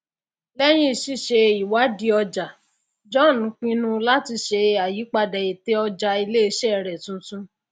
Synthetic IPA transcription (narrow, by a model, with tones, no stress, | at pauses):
lɛ˦j̃ĩ˦˨ʃi˦ʃe˧i˨wa˨˦di˧ɔ˧d͡ʒa˨ | d͡ʒɔ̃˦˨nũ˨˦k͡pĩ˧nũ˦la˦ti˧ʃe˧a˨ji˨˦k͡pa˧dɛ˨i˨te˨˦ɔ˧d͡ʒa˧i˧le˦e˧ʃɛ˦˨ɾɛ˨tũ˧tũ˦